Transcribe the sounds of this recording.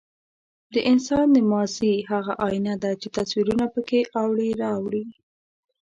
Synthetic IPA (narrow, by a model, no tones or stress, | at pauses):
d̪əʔɪnsɑnd̪əmɑzihaɣaʔɑjnad̪at͡ʃet̪aswiɾunapəkeʔawɽiɾɑwɽi